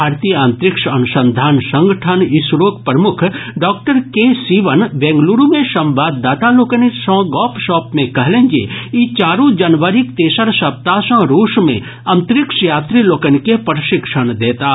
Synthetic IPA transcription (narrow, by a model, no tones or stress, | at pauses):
bʱaːɾt̪ijãːnt̪ɾɪkʃɐnʊsə̃nd̪ʱaːnsɐ̃ŋɡəʈʰənɪsɾoːk̚pɾəmʊkʰɖɔːk̚ʈəɾkesiːʋənbɛ̃ːŋɡluːɾumẽʃɐ̃mʋaːd̪ːaːt̪aloːkənisɐ̃ːɡɔːpʃɔːpmẽkɐɦlẽːŋɡḛit͡ʃaːɾõd͡ʒɐnʋəɾikt̪eːʃəɾsɐp̚t̪aːsə̃ːɾoːʃmḛ̃ | ɐ̃nt̪ɾɪkʃjaːt̪ɾiloːkənkepəɾʃɪkʃəɽ̃d̪eːt̪a